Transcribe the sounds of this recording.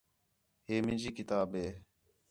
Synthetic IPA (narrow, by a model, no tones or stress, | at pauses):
ɦeːmɪ̃nd͡ʒiːkɪt̪aːbɦeː